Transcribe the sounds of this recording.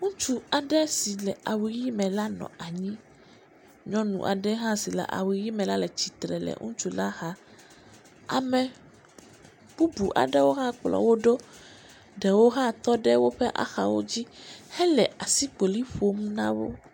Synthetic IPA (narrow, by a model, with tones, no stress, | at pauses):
ŋũ˦t͡ʃu˦a˨ɖɛ˦si˨lɛ˨a˨wi˨ji˦mɛ̃˨la˦nɔ̰̃˨a˨ɲĩ˦ | ɲɔ̃˦nṵ̃˨ʔa̰˨ɖɛ˦ɦã˦si˨lɛ̰˨ʔa̰˨wi˨ji˦mɛ̃˨la˦lɛ˨t͡ɕi˨t̪ɾɛ˨lɛ̰˨ŋṵ̃˦t͡ʃu˦la˦ha˦ | a̰˨mɛ̃˨ | b̥u˦bu˨ʔa̰˨ɖɛ˦wo˦ɦã˦k͡plɔ̰˨wo˦ɖo˦ | ɖɛ˨wo˦ɦã˦t̪ɔ˦ɖɛ˦wo˦ɸɛ˦ʔa̰˨xa̰˨wo̰˦d͡ʑi˦hɛ˦lɛ˨ʔa˨si˦k͡po˨li˦ɸo˦mũ˦nã̰˦wo̰˦